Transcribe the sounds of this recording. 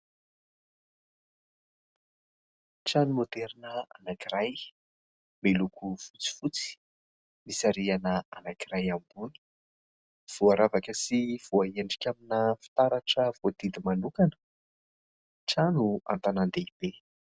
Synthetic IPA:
ʈ͡ʂanumod̪eɾinəanakiɾaj | melukʰufut͡si̥fut͡si̥ | misaɾianəanakiɾajambuni̥ | v̥uaɾavakəsiv̥uaeɳɖ͡ʐi̥kʲaminəfi̥t̪aɾaʈ͡ʂəvoad̪id̪imanukanə̥ | ʈ͡ʂanua̰nt̪anand̪eib̥e

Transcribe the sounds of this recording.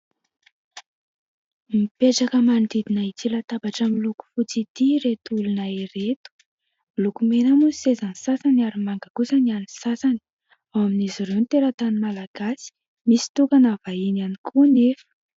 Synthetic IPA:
mipeʈ͡ʂakəmand̪id̪inait͡silat̪abaʈ͡ʂamiluku̥fut͡sit̪iɾet̪ulunaiɾet̪u̥ | milukumenəmusisezanisasanaɾimaŋɡakusanianisasani̥ | awaminiziɾewnt̪eɾət̪animalaɡ̥asi̥ | misi̥t̪ukanavainanikʰunefə̥

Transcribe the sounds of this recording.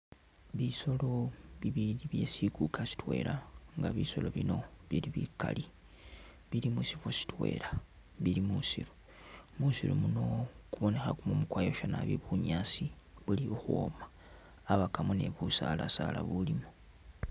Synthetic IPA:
βiso̞lo̞βiβiːdiβje̞sikukʰasi̥twe̞̰ːlʔaŋɡaβiso̞lo̞βino̞βiliβika̰li | βilimusivosi̥twe̞̰ːla | βilimusiɾu̥ | musiɾṵmuno̞kuβo̞ne̞xakumumukwaːjoʃona̰βḭβuɲasiβuliuxuomaː | βakamone̞̰βusalasala̰βulimu̥

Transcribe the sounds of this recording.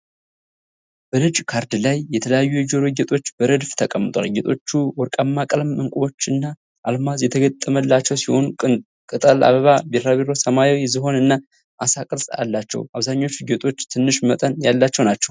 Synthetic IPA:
b̥əlɨd͡ʒʼkʰaɾd̪lajːɛt̪ʰələjajːuɨd͡ʒoɾɨɡɛt̪ʼo̞t͡ʃːbəɾɨd̪ft̪ʰəkʼəmːɨt̪ʼwa̰lɡɛt̪ʼo̞t͡ʃːuwɔɾkʼamːakʼəlmɨŋkʼuβo̞t͡ʃːɨnːa | ʔalmazjɛt̪ʰəɡət̪ʼːəməlːat͡ʃːɛwsiho̞nuɨ | kʼɨt̪ʼəlʔa̰βəβabeɾɾaβeɾo̞səmajiwjzɨɦo̞nɨnːa | ʔasakʼɨɾsʼa̰lːat͡ʃːɛ̰waβzaɲːo̞t͡ʃːɨɡɛt̪ʼo̞t͡ʃːt̪ʰɨnːɨʃmət̪ʼənjalːat͡ʃːɛwnat͡ʃːɛw

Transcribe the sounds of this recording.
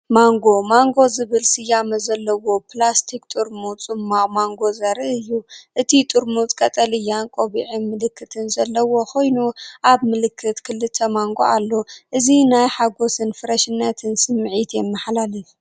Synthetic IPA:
maŋɡo̞maŋɡo̞zɨβɨlsɨjamɐzɐlːɐwo̞plast̪ʰikt̪ʼɨɾmut͡sʼɨmamaŋɡo̞zɐɾɨʔɨjːuʔɨt̪ʰit̪ʼɨɾmut͡s̪ʼkʼɐt̪ʼɐlɨjːankʼoβiʕinmɨlɨkʰːɨt̪ʰɨnzɐlːɐwo̞kʰo̞jnuʔaβmɨlɨkʰːɨt̪kʰɨlːɨt̪ʰːɐmaŋɡo̰alːoʔɨzinajħaɡo̞sɨnfɨɾɐʃɨnːat̪ʰɨnsɨmʕit̪jɛmːɐħlalɐju

